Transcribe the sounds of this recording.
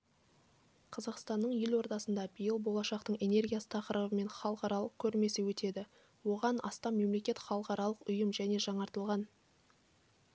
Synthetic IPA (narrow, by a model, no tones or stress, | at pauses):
qʰɑzɑqst̪ɑnːəɴjelwo̞ɾt̪ɑsənd̪ɑbijəlˠbo̞lˠɑʃɑqt̪əɴe̞ne̞rɡʲijasə̥t̪ʰɑqəɾəbəme̞ɴχɑlˠəqɑɾɑlˠəq̚kʲʰɵɾme̞sɪwɵt̪e̞d̪ɪ | wo̞ʁɑnʔɑ̰st̪ɑmːe̞mle̞kʲe̞t̪χɑlˠəqɑɾɑlˠəqʊjəmʒæne̞ʒɑɴɑɾt̪əlˠʁɑn